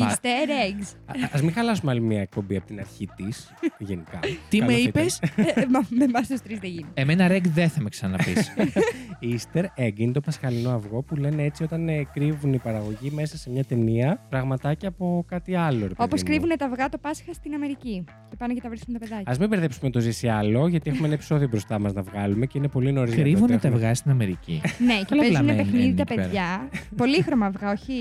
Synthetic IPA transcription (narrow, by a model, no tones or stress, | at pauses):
ist̪eɾeɡzɐzmĩxɐlɐsumeɐlimiɲɐek̚po̞mbiɐpot̪inɐɾçit̪is | ʝenikɐ̰t̪iɐmipesmɐmemɐst̪ust̪ɾizðeʝineemenɐɾeɡðeθɐmeksɐnɐnɐpḭs | ist̪eɾeɡint̪o̞pɐskɐlino̞ɐvɣo̞pule̞neet͡sio̞t̪ɐnkɾivunipɐɾɐɣo̞ʝime̞sɐse̞mɲɐt̪e̞niɐpɾɐɣmɐt̪ɐceɐpo̞kɐt̪iɐlo̞ɾepo̞ðposkɾivunet̪ɐvɣɐt̪o̞pɐsxɐst̪inɐme̞ɾici | cepɐnocet̪ɐvɾiskunt̪ɐpeðɐcɐzmimbe̞ɾθe̞psumet̪o̞zisiɐlo̞ʝɐt̪iexumenɐepi̥so̞ðio̞bɾo̞st̪ɐmɐznɐvɣɐlume̞ce̞ine̞po̞linoɾizkɾivunet̪ɐvɣɐst̪inɐmeɾicḭneeɐeznepexniðit̪ɐpeʝɐpo̞lixɾo̞mɐvɣɐo̞çi